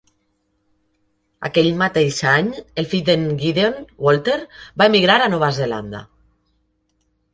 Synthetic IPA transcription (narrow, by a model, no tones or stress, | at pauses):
a̰keʎmat̪eʃaɲelfid̪eŋɡiðonwɔlˠt̪eɾbaemiɣɾaɾanɔβazela̰nd̪a̰